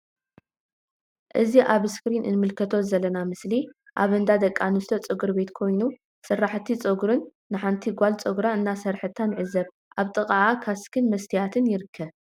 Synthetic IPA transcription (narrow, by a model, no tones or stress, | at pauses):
ʔɨziʔaβɨskɾinʔɨ̰nmɨlkʰɐt̪ʰo̞zɐlɐnamɨsli | ʔaβɨnd̪ad̪ɐkʼːanɨst̪ʰot͡sʼɨɡɨɾbe̞t̪kʰo̞jnu | sɨrːaħt̪ʰit͡sʼɐɡɾɨnː | ɨħant̪ʰiɡʷalt͡sʼoɡɾaɨnːasɐɾħɨt̪ʰːanʕɨzɐβ | ʔaβt̪ʼɨkʼaʕakʰaskʰɨnmɐst̪ʰijat̪ʰɨnjɪɾɨkʰːɐβ